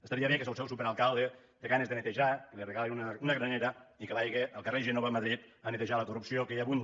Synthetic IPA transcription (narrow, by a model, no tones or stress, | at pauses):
əst̪aɾiəβekezəlˠsɛwsupeɾalˠkalˠd̪e | d̪əɣanəzðənət̪əʒakəlirəɣalinunəunəɣɾəneɾəikəβajɣeʔəlˠkəreʒənoβəməðɾit̪ənət̪əʒaləkurupsiokejaβun